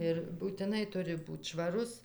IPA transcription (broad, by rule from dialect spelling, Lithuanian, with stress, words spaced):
ɪr buːtʲɪˈnɐɪ ˈtʊrʲɪ ˈbuːt ʃʋɐˈrʊs